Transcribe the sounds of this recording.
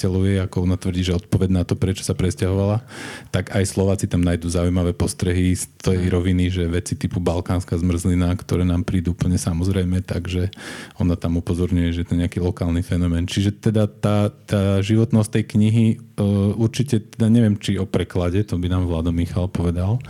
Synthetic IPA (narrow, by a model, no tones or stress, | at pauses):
ɛlɔʋjɛakɔɔnat̪ʋr̩ɟiːʒɛɔt̪̚pɔʋɛɟnat̪ɔpɾɛt͡ʃɔ̥sapɾɛscaɦɔʋalat̪aɡajslɔʋaːt͡sit̪amnajd̪uːzaujmaʋɛːpɔst̪ɾɛɦist̪jɛjɾɔʋiniʒɛʋɛt͡sit̪ipubalkaːnskazmr̩zlinakt̪ɔɾɛːnaːmpɾiːd̪uupl̩ɲɛsamɔzɾɛjmɛt̪aɡʒɛɔnat̪amupɔzɔɾɲujɛʒɛjɛt̪ɔɲɛakilɔkaːlnifɛnɔmɛːnt͡ʃiʒɛt̪ɛd̪at̪aːt̪aːʒiʋɔt̪nɔst̪ɛjkɲiɦi | uɾt͡ʃicɛt̪ɛd̪aɲɛʋɪɛmt͡ʃiɔpɾɛklaɟɛt̪ɔbinaːmʋlaːd̪ɔmːixalpɔʋɛd̪al